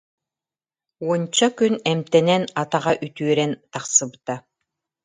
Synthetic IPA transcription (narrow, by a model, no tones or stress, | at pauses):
uɔnt͡ɕakynɛmt̪ɛnɛnat̪aʁaʔyt̪yœɾɛnt̪aqsɯbɯt̪a